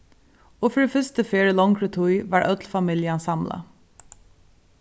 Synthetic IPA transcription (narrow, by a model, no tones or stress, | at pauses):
oːfɔɹefʏst̪əfeːɹəlɔŋkɹət̪ʰʊʏʋɑːɹʔœt̪lfɑmɪljɑnsɑmlɑ̰